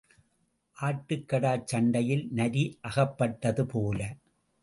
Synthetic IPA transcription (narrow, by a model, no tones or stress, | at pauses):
ʔaːʈːɯkːɐɽaːt͡ʃːɐɳɖɐjɪlnɐɾiʔɐɣɐpːɐʈːɐðɯpoːlɐ